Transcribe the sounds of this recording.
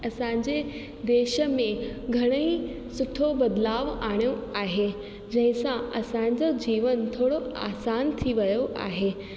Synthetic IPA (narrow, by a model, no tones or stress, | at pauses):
ɐsãːɲd͡ʑe | d̪eːʃə̆mẽɡʱɐɽ̃əi | sʊʈʰobɐd̪laːʋaːɽ̃joaːɦe | d͡ʑɐ̃ɦɪ̃sãɐsãːɲ̆d͡ʑod͡ʑiːʋənt̪ʰoːɽoa̰ːsaːnt̪ʰiʋɐjoʔa̰ːɦeː